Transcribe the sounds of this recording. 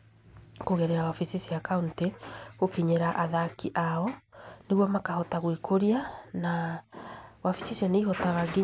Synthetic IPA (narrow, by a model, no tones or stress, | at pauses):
koɣɛɾeɾawafisisiakaunteɣokiɲeɾaʔaðakiʔaɔneɣwɔmakahɔtaɣwikʰoɾiana | wafisisiɔneihɔtaɣaɡi